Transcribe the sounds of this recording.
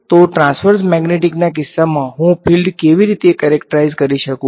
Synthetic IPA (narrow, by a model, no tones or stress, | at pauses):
t̪oʈɾãnsfəɾsmɛɡneʈiknak̬ɪsːamãɦũpʰilɖkeʋiɾit̪ekɛɾek̚ʈəɾaizkəɾiʃəkũ